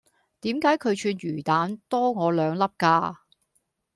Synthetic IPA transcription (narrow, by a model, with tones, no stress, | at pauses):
t̪iː˨˥mkaː˨˥jkʰɵ˨˧ɥt͡ʃʰyː˧nɥyː˨˩t̪aː˨˥nt̪ɔː˥ŋɔː˨˧lœː˨˧ŋlɐ˥p̚kaː˧